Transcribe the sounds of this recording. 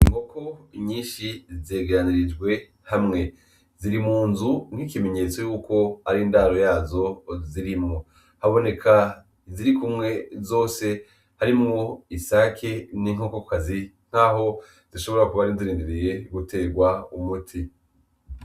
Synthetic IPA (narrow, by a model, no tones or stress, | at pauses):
iŋɡo̞kʰo̞ɲiːnʃizeːɡeɾaniɾid͡ʒɡwe̞ | hamŋe̞ | ziɾimuːnzuŋ̥hikime̞ɲe̞t͡so̞juːko̞aɾiːndaːɾo̞jaːzo̞ziɾimŋo | haβo̞ne̞kʰa | ziɾikumŋe̞zo̞ːse̞ | haɾimŋo̞isakʰe̞niŋokokkazi | ŋ̥aːɦo̞ | z̥iʃo̞βoɾakuβaɾinziɾiːndiɾije̞ɡute̞ːɾɡwaumutʰi